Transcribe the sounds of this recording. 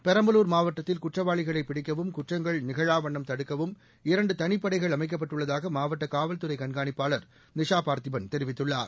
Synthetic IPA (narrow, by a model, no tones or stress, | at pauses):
pɛɾɐmbɐluːɾmaːʋɐʈːɐt̪ːɪlkʊʈrɐʋaːɭɪɣɐɭɐɪpɪɽɪkːɐʋɯmkʊʈrɐŋɡɐɭnɪɣɐɻaːʋɐɳːɐmt̪ɐɽɯkːɐʋɯm | ɪɾɐɳɖɯt̪ɐnɪpːɐɽɐɪɣɐɭɐmɐɪk̬ːɐp̬ːɐʈːɯɭːɐðaːɣɐmaːʋɐʈːɐkaːʋɐlt̪ɯɾɐɪkɐɳɡaːnɪpːaːɭɐɾ | nɪʂaːpaːɾt̪ɪʋɐnt̪ɛɾɪʋɪt̪ːɯɭːa̰ːɾ